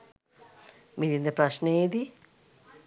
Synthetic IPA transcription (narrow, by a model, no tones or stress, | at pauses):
mid̪ind̪epɾaʃned̪i